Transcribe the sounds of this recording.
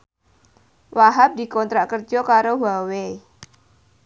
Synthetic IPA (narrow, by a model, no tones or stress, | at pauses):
waɦap̚di̤kɔnt̪ɾaʔkərd͡ʒɔkaɾowawe